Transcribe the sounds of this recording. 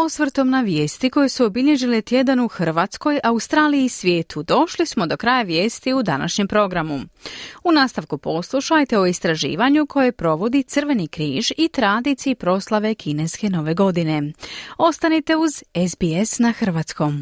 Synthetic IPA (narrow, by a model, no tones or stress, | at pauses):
o̞sʋɾt̪o̞mnaʋjeːst̪iko̞jesuobiʎe̞ʒilet̪je̞d̪anuxr̩ʋaːt̪sko̞jʔaust̪ɾaːlijisʋjeːt̪ʰud̪o̞ʃlismo̞d̪o̞kɾaːjaʋje̞ːst̪iud̪a̰na̰ʃɲe̞mpɾo̞ɡɾamuunaːst̪aʋkupo̞slˠuʃajt̪eo̞ist̪ɾaʒḭːʋaɲukʰo̞je̞pɾo̞ʋo̞d̪it̪srʋe̞nikɾiːʒit̪ɾad̪it̪sijipɾo̞ːslˠaʋe̞kʰine̞ske̞no̞ʋe̞ɡo̞d̪ine̞o̞st̪anit̪e̞uzezbiesnaxr̩ʋat̪sko̞m